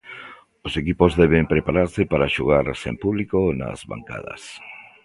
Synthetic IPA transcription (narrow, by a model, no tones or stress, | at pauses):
osekipozðɛβempɾepaɾaɾsɪpaɾaʃoɣ̞aɾsḛmpuβlikona̰zβa̰ŋka̰ðɐ̰s